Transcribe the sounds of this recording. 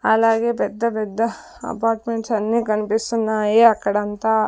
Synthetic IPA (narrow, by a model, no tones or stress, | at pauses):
ɐlaːɡeːpɛd̪ːɐpɛd̪ːɐ | ɐ̰paːɾʈmeɳʈsɐnːikɐnipisunːaeːakːɐɽɐnt̪ɐ